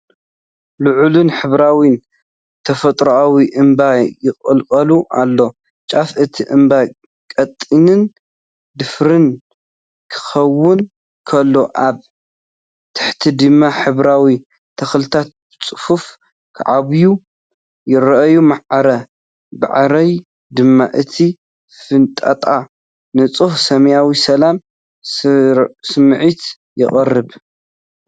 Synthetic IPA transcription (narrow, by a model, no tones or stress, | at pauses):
luʕulunħɨβɾawin | t̪ʰɐfɐt̪ʼɾoʔawiʔɨmbajɪχʼɨlkʼɐluʔa̰lːo̞ | t͡ʃʼafɨt̪ʰiʔɨmba | kʼɐt̪ʼːinɨn | d̪ɨfɾɨn | kʰɨ̥xɐwːʊn | kʰɐlːo̞ʔaβ | t̪ʰɨ̥ħt̪ʰid̪ɨmːaħɨβɾawi | t̪ʰɐxlɨt̪ʰat̪̚bɨt͡sʼɨ̥fuf | kʰa̰ʕaβju | jɪɾɐʔɐjumaʕɾɐ | ba̰ʕɾɐj | d̪ɨmːa̰ʔɨt̪ʰi | fɨnt̪ʼɐ̰t̪ʼa | nɨt͡sʼuhsɐmɐjawisɐlam | sɨmʕit̪ | jɪ̰χʼɐrːɨβ